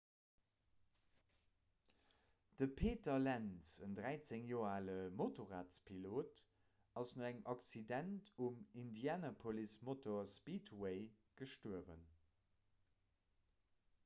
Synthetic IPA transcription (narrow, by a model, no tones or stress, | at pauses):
d̥əpʰeːtɐlænsəndʁæɪt͡seŋjoːɐaːləmotoʁaːtspʰiloːt | ɑsnoæŋʔɑkt͡sidæntʰumindjaːnɐpʰolismotoɐspiːtweɪ | ɡ̥əʃtuəvə̰n